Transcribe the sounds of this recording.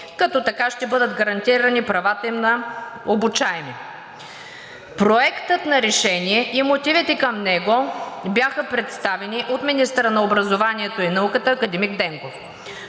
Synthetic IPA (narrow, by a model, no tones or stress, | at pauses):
kɐt̪ɔt̪ɐkaʃt̪ɛbɤd̪əd̪ɡɐɾɐnt̪iɾɐnipɾɐvat̪əimnɐobut͡ʃaɛmi | pɾoɛkt̪ət̪nɐɾɛʃɛniɛʔimot̪ivit̪ɛkɐmnɛɡobjaxəpɾɛt̪st̪avɛniʔot̪minist̪əɾənɐobɾɐzovaniɛt̪oinɐukət̪əːkɐd̪ɛmiɡd̪ɛŋkof